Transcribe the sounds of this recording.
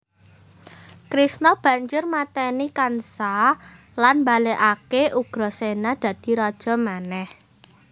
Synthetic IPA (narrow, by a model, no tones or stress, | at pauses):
kɾisnɔb̥ä̤ɲd͡ʒʊrmat̪ɛnikansa | lanmbaleʔakeʔuɡ̥ɾɔ̤senad̪̥ä̤d̪̥i̤ɾɔd̥ʒ̥ɔ̤manɛh